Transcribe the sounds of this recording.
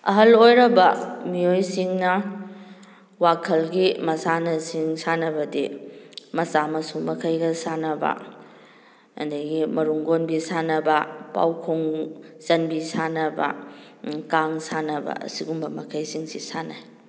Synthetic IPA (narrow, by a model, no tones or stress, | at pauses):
ɐ̰ɦɐlojɾɐbɐmiojsiŋnɐ | wakʰɐlɡimɐsanɐsiŋsanɐbɐdimɐsamɐsumɐkʰɐjɡɐsanɐbɐ̰ | ɐ̰ndɐɡimɐɾuŋɡonbisanɐbɐpa̰wkʰuŋsɐnbisanɐbɐ̰ | kaŋsanɐbɐ̰ɐ̰siɡumbɐmɐkʰɐjsiŋsisana̰j